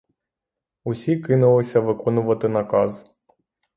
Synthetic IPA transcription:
usʲikɪnulˠɪsʲɐvɨkɔnʊvɐt̪ɨnɐkaz

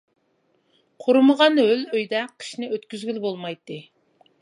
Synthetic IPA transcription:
qʰoɾməʁɑnɦøløjd̪ɛqʰə̥ʃnɪøt̪kʲyzɡʲylbolˠmɑjt̪ːɨ

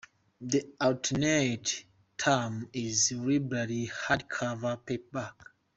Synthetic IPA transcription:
ðiatʰnet | tʰamizɹibɹalihadkʰavəpep̚bak

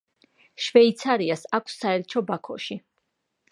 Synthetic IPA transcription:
ʃvɛit̪sʰaɾiasakʷʰsːaɛɾt͡ʃʰɔbakʰɔ̰ʃi

